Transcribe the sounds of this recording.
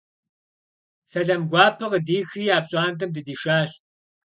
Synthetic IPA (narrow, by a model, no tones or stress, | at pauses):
sɐɮɐmɡʷɑːpʰɨqədiːxriːaːpɕʼaːntʰɐmdɨdiːʃaːɬ